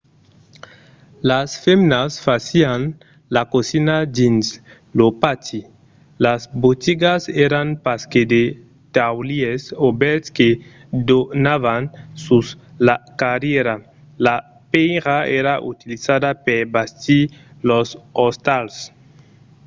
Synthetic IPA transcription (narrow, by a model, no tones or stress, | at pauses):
lasfemnasfasian | lakosinadins | lopat̪i | lazbot̪iɡazɛɾanpasked̪e | t̪awliesobɛɾtske | d̪onavansuslakaɾjeɾa | la | pejɾaeɾaʔṵt̪ilizad̪apeɾbast̪ilosost̪als